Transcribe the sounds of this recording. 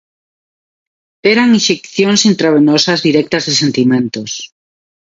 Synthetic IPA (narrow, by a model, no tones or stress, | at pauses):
eɾaŋinʃekθjoŋsint̪ɾaβenosazðiɾɛk̚t̪azðesent̪imẽnt̪os